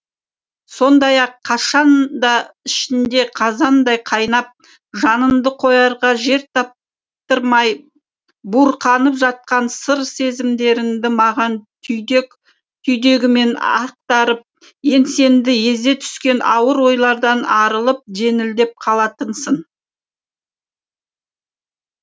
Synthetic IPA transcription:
so̞nd̪ɑjɑqʰːɑʃɑnd̪ɑɪʃɪnd̪e̞qʰɑzɑnd̪ɑjqʰɑjnɑp̚ | ʒɑnəmd̪əqʰo̞jɑɾʁɑʒe̞ɾt̪ʰɑp̚ | t̪əɾmɑj | buɾqʰɑnəpʒɑt̪̚qɑnsəɾse̞zɪmd̪e̞ɾɪnd̪ɪmɑʁɑn | k | t̪ʰʏjd̪e̞ɡʲɪme̞nɑ̰q̚t̪ɑɾəp̚ | je̞nse̞nd̪ɪje̞zd̪e̞t̪ʰʏ̥skʲe̞nɑwəɾwo̞jlˠɑɾd̪ɑnɑɾəlˠəp̚ʒe̞nɪld̪e̞p̚qʰɑlˠɑt̪ənsən

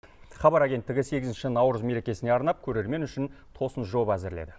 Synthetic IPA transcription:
χɑbɑɾaɡʲe̞nt̪ːɪɡʲɪse̞ɡʲɪzɪnʃɪnɑwɾəzme̞ɾe̞kʲe̞sɪne̞ɑɾnɑp̚kʲʰɵɾe̞ɾme̞nʏʃɪn | t̪ʰo̞sənʒo̞bæzɪɾlḛd̪ɪ

